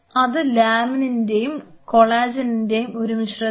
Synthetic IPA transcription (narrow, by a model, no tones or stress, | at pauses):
ɐðɨlaːmininde̞jumko̞ɭaːd͡ʑɐninde̞jumo̞ɾumiɕrɐ